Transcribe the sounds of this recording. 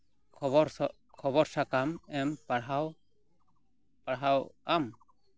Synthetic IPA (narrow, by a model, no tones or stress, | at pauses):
ɔɔɾ | kʰɔβɔɾsakamɛmpaɽɦaw | paɽɦawam